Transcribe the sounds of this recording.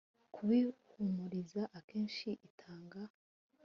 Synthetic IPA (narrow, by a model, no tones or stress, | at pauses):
kʰuβihumuɾizaʔakeːnʃiʔitʰaːŋɡa